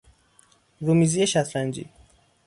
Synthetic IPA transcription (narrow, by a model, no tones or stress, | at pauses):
ɾumizijeʃæt̪ʰlænd͡ʒḭː